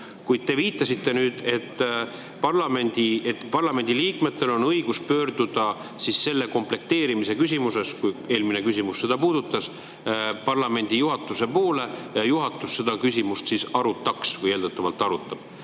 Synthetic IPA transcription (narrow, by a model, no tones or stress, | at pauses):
kujd̪̥̚t̪e̞viːt̪ːˑɑsit̪ːe̞nyːd̪̥e̞t̪ː | pɑrlɑme̞nʲd̪iet̪ːpɑrlɑme̞nʲd̪̥iliːkme̞t̪ˑːe̞lo̞nɤjɡ̥uspø̞ːɾd̪̥ud̪̥ɑ | sisse̞lːe̞ko̞mple̞k̚t̪eːɾimise̞kys̬ʲimuse̞skuje̞ːlmine̞kysʲimusse̞d̪̥ɑpuːd̪̥ut̪ːˑɑs | pɑrlɑme̞nʲd̪ijuɦɑt̪ːˑuse̞po̞ːle̞jɑjuɦɑt̪ːˑusːe̞d̪ɑkys̬ʲimust̪sisɑɾut̪ːˑɑksvɤje̞ld̪ət̪ːˑɑvɑlt̪ːˑɑɾut̪ːˑɑb̥